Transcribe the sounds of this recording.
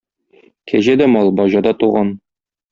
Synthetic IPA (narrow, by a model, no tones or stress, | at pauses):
kʰæʑæd̪æmɒlˠbɒʑɑd̪ɑt̪uʁɑn